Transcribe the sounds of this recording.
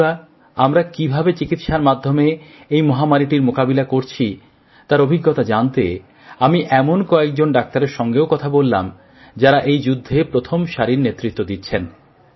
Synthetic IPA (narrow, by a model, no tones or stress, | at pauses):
a | amɾakibʱabet͡ɕikit̪ʃaɾmad̪ʱːome | ejmɔɦamaɾiʈiɾmokabilakoɾt͡ɕʰi | t̪aɾobʱiɡːot̪ad͡ʑant̪ḛ | amiʔɛmonkɔek̚d͡ʑonɖak̚t̪aɾeɾʃɔŋɡeokɔt̪ʰabolːa̰m | d͡ʑaɾaʔejd͡ʑud̪ʱːepɾot̪ʰomʃaɾiɾnet̪ːɾit̪ːod̪it̪ːɕʰen